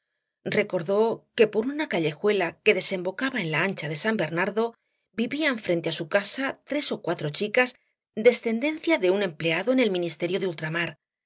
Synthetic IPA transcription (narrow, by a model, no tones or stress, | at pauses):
re̞ko̞ɾðo̞ke̞po̞ɾunakaʎe̞xwe̞lake̞ðe̞se̞mbo̞kaβae̞nlaant͡ʃaðe̞sambe̞ɾnaɾðo̞ | biβiaɱfɾent̪e̞asukasat̪ɾe̞so̞kwat̪ɾo̞t͡ʃikaz | d̪e̞sθe̞nd̪e̞n̟θjaðe̞unẽ̞mple̞aðo̞e̞ne̞lmĩnist̪e̞ɾjo̞ðult̪ɾamaɾ